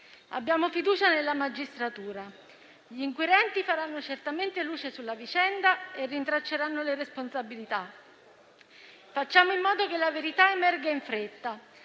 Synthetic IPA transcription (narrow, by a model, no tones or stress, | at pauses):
a̰bːjaːmofid̪uːt͡ʃanelːamad͡ʒist̪ɾat̪uːɾa | ʎiiːŋkwiɾɛnt̪ifaɾanːot͡ʃert̪ament̪eluːt͡ʃesulːavit͡ʃɛnd̪aerːint̪ɾat͡ʃːeɾanːoleɾesponsabilit̪a | fat͡ʃːaːmoimːɔːd̪okelaveɾit̪aemɛrɡaiɱfɾet̪ːa